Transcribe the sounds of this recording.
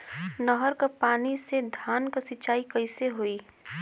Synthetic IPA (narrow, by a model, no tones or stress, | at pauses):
nəɦəɾkapaːnised̪ʱjaːnkasɪt͡ʃaːikɐɪseɦoːiː